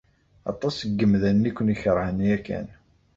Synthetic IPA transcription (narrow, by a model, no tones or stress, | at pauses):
ɑ̰t̪ˤɑsəɡːəmðænːikʷːəniçəɾhənːiækːæ̰n